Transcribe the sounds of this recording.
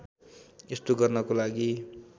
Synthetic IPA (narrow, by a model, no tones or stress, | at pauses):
est̪oɡʌrnʌkolaɡi